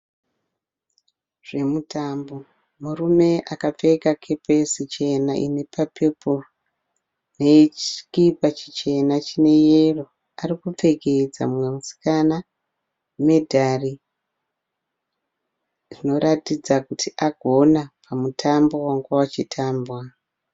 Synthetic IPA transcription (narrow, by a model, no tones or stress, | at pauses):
ʐ̥e̞mutaːmbo̞ | murume̞ʔakap͡fe̞kakʰe̞pesit͡ʃe̞naʔḭne̞pʰapʰepor | ne̞t͡ʃi̥kipat͡ʃi̥t͡ʃe̞nat͡ʃine̞jero̞ | arikup͡fe̞ke̞d͡za̰mwemusi̥kana | me̞dʱari | ʐino̞ɾatid͡zakutʰiʔaɡʱo̞napʰamutʰambo̞waŋɡawat͡ʃitʰaːmbwa